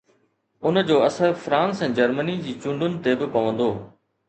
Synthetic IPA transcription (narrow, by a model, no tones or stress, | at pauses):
ʊnəd͡ʑoːɐsəɾfɾãːnsɛ̃ːd͡ʑɐɾmənid͡ʑiːt͡ɕʊ̃ɳɖʊnɪ̆t̪ebɪpɐʋə̃nd̪oː